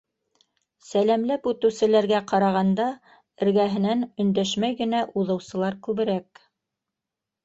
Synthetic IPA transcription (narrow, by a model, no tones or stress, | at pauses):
sælæmlæpʉt̪ɘ̆wsɘ̆læɾɡæqɑɾɑʁɑnd̪ɑ | ɘ̆ɾɡæɦɘ̆nænɵ̆nd̪æʃmæjɡɘ̆næʔuðɤ̆wsɤ̆lˠɑɾkʉβɘ̆ɾæk̚